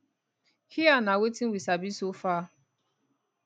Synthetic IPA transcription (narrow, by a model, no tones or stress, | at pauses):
hianawetiwisabisofa